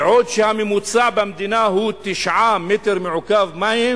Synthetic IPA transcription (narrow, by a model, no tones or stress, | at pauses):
ʕoːd̪ʃhamimut̪sˤɑʕbamd̪inaɦuːt̪ːɪʃʕaːmːɪt̪ɪɾmiʕʊkaːvmahi